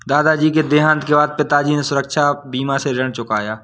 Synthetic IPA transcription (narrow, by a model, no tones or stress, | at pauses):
d̪aːd̪ad͡ʒiːked̪eɦãːnt̪kebaːd̪̚pɪt̪ad͡ʒiːnesʊɾəkʃʰabiːmaseɾɐɽ̃t͡ʃʊkaːjaː